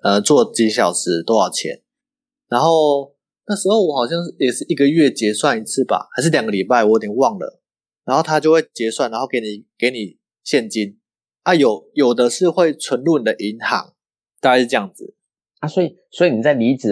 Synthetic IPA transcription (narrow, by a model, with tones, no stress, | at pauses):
ə˨t͡swɔ˥˨t͡ɕi˨˦˥ɕjɑ˨˩ʊʂɻ̩˧˦t̪o˥˦jɑ˥˩ʊt͡ɕʰjɛ̰˧˦n | na˧˦nxo˥˩˧ʊ | na˥˩ʂɻ̩˧xo˥˩ʊwɔ˨˩xɑ˨˩ʊɕjɑ˥˧ŋʂjɛ˨˩ʂɻ̩˥˩i˧˦ɡə˨ɥɛ˥˩t͡ɕjɛ˧˥swa˥˨ni˧˦t͡s̩ʰ˥˩ba̰˩xa˧˥ɪʂ̬̩˥˩ljɑ˨ŋɡə˦li˨˩pa˥˩ɪwɔ˨˦jo˧˦t̪ʰjɛ˨˩wɑ˥˨ŋlə̰˩ | na˧nxo˥˩t̪ʰa˦˥t͡ɕjo˥˧ʊxwe˥˩ɪt͡ɕjɛ˧˥swa˥˩nːa˧˦nxo˥˩ke˧˥ɪni˨˩ke˧˦ɪni˨˩ | ɕjɛ˥˨˩nt͡ɕi˦n | a˥˩jo˨˩ʊjo˨˩ʊd̪ə˨˦ʂɻ̩˥˧xwe˥˩ɪt͡sʰwə˧˥nlu˥˩ni˨˩d̪ə˨ʔi˧˦ŋhɑ̰˧˦ŋ | t̪a˥˧ka˥˧ʂ̩˥˧ʈ͡ʂɤ˥˧jɑ˥˩ŋd͡z̩˩ | a˥˩swɔ˧˦˥i˨˩swɔ˧˥i˨˩ni˨˩t͡sa˥˩ɪli˧˥t͡s̩˨